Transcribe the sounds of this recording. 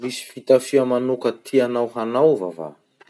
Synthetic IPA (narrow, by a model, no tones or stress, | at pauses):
visi̥fit̪afiamanokət̪ʰianawɦanawva̰va̰